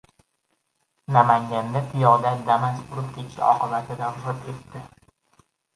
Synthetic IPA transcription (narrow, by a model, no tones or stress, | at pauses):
namaŋɡʲand̪apʰɪjɒd̪ad̪amazbʊɾʊp̚kʲʰet̪ʃɪ̰ɒ̰qɨbat̪ʰɪd̪azɪp̪e̞t̪ːɪ